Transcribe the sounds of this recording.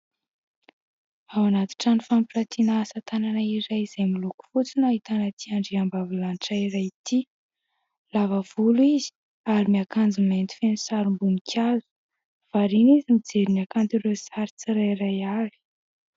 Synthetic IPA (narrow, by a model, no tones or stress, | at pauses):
awanat̪i̥ʈ͡ʂanifampiʈ͡ʂat̪ʰinaasat̪ananaiɾajiz̥ajmiluku̥fut͡sinaɦit̪anat̪ʰiaɳɖ͡ʐiambavilanʈ͡ʂajirajt̪i | lavəv̥uluizi̥ | aɾimiakand͡ziment̪i̥fenisaɾumbunikʰazu̥ | v̥aɾinizimid͡zeɾinakant̪iɾesaɾit͡siɾajɾajaɾi̥